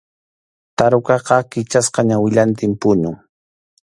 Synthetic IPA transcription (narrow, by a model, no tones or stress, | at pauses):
t̪aɾʊkɑqɑkɪt͡ʃasqɑɲawɪʎant̪ɪmpʊnʊŋ